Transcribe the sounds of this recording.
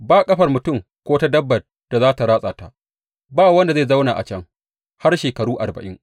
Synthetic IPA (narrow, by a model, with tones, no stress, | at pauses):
baː˦kʼɐ˦ɸɐ˨rmʊ˨tʊ˦˨ŋ | kʷoː˦ta˦dɐ˦bːɐ˨t̚ | d̥a˨zaː˦ta˨ɾaː˦sʼaː˨ta˦ | baː˦wɐ˦nda˨zeː˦˨zɐ˦wnaː˨ʔa̰˨t͡ʃɐ˦ŋ | ha˦rʃeː˨kɐ˨ɾuː˦ʔa˨rbɐ̰˨ʔɪ˦ŋ